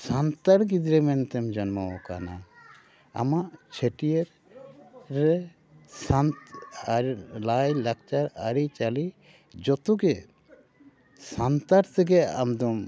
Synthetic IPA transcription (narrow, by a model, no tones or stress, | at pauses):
sant̪aɾɡid̪ɾɛmɛnt̪ɛmd͡ʒɔnmaɔka̰na | a̰maʔt͡ʃʰeʈijeɾ | ɾɛ | sant̪ | lajlak̚t͡ʃaɾaɾit͡ʃali | d͡ʒɔt̪uɡɛ | sant̪aɾt̪ʰɛɡɛa̰md̪ɔm